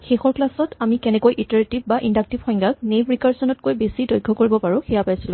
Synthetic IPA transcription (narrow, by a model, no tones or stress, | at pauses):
xexɔɹklasɔtamikɛnɛkojʔitaɹetib̚baʔindak̚tibxɔj̃ŋɡaknebɹikaɹsɔnɔt̚kojbesidɔjɡʱːɔkoɹibɔpaɹʊ̃xɛjapajsilʊ̃